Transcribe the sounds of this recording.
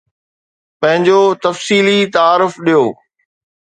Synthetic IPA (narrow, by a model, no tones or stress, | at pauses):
pɐ̃ɦɪ̃ɲd͡ʑoːt̪ɐfsiːlit̪aaːɾʊfɗijoː